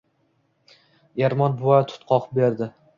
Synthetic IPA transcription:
eɾmɒnbʊvɒjat̪ʰʊ̥t̪qʰɒqbeɾd̪ɪ

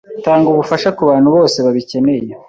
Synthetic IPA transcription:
taːŋɡuβufaʃakuβaːn̥huβo̞ːse̞βaβice̞ne̞je

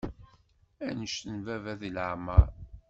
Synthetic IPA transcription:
ænəʃtənvævæðiləʕmə̰ɾ

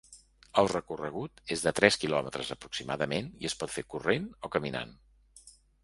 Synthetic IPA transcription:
əlˠrəkurəɣut̪ezðət̪ɾɛskilɔmət̪ɾəzəpɾuksima̰ðəmeniəspɔt̪fekurenokəmina̰n

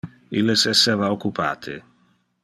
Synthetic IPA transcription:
ilːesɛsːevaokːupʰa̰ːt̪ʰḛ

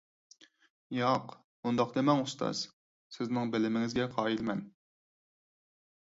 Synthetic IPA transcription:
jɑq | mund̪ɑqd̪emɛŋust̪ʰɑ̰z̥ | sɪznɪŋbɪlɪmɪŋɪzɡʲɛqʰɑːilmɛn

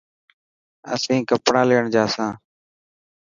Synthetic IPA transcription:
əsĩːkəpɳãːleːəɳd͡ʒaːsãː

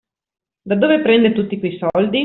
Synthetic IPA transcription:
d̪ad̪oːvepɾɛnd̪et̪ut̪ːikwejsɔld̪i

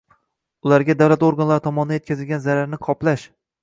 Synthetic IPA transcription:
ʊlaɾɡʲad̪awlat̪oɾɡanlaɾɪt̪ʰɒmɒnɪd̪ajet̪kʲazɪlɡʲanzaɾaɾnɪqʰɒplaʃ

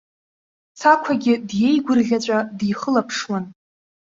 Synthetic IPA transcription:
t͡sʰakʷʰaɡʲɪdje̞jɡʷʊrɮʲat͡ɕʷʼadijχəlapʰʂwan

